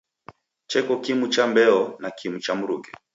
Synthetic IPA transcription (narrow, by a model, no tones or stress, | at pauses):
t͡ʃɛkɔkimut͡ʃambɛɔnakimut͡ʃam̩ɾuɡɛ